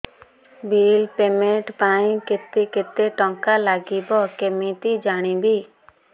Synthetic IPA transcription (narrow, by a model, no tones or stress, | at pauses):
biːlpeːmẽʈpaːĩkɪt̪ːekɪt̪ːeːʈɔ̃ːŋkaːlaːɡiːbɔːkemiːt̪iːd͡ʒaːɽ̃iːbʱiː